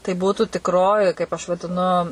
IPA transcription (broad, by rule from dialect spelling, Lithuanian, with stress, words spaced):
tɐɪ ˈbuːtuː tʲɪkˈroːjɪ kɐɪp ɐʃ ʋɐdʲɪˈnʊ